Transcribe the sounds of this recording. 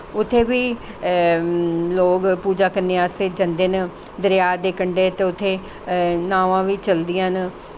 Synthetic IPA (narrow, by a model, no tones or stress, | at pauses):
ʊt̪ʰːeːʋiː | loːɡpuːd͡ʒaːkəɾneːaːst̪eːd͡ʒə̃nd̪eːn | d̪əɾɪjaːd̪eːkəɳɖeːt̪eːʊt̪ʰːeː | naːʋãːʋiːt͡ʃəld̪ɪjãːn